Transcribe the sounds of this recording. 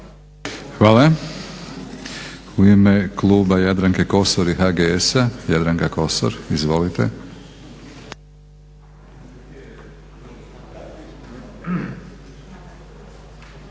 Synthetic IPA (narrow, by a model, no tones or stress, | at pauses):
xʋaːla | uime̞klˠuːbajad̪ɾaŋkeko̞soɾixaɡeesajad̪ɾaŋkako̞so̰ɾizʋo̞lit̪e